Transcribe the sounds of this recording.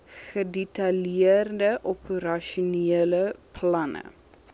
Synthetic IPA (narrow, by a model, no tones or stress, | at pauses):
xədetaljeːrdəʔɔpʰəɾaʃuneləpʰlɐnə̰